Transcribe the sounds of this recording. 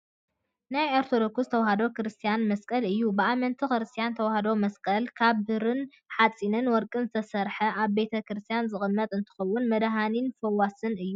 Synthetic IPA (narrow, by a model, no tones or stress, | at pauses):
najeɾt̪ʰod̪okuzɨt̪ʰɐwɐhad̪o̞kɨɾɨst̪ʰijanmɐskʼɐlɨjːubɨamɐnt̪ʰixɨɾɨst̪ʰijant̪ʰɐwɐhad̪o̞mɐskʼɐlkʰaβhɨɾɨn | ħat͡sʼinɨnwɔɾkʼɨnzɨt̪ʰɐsɐɾħɐʔaβbe̞t̪ʰɐkɾɨst̪ʰijanzɨxʼɨmːɐt̪ʼɨnt̪ʰɨ̥xɐwːʊnmɐd̪ɦaninfɐwasɨnɨjːu